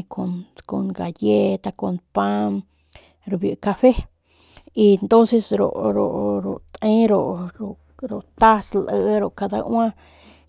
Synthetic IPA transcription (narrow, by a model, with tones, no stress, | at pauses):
kʰo˧nko˧nɡa˨je˦t̪a˧ko˧npa˦m | ɾo˨bju˨ka˧ɸe˦ | i˧nt̪o˦nse˧sɾo̰˨ʔɾo̰˨ʔɾo̰˨t̪ʔẽ˦ɾo˨ʔɾo˨ | ɾo˨t̪a˦slʔə˧ʔɾo˨ʔka˧d̪a̰˧ʔwã˦